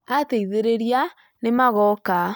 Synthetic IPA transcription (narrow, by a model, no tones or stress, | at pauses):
ateiðeɾeɾia | nemaɣɔka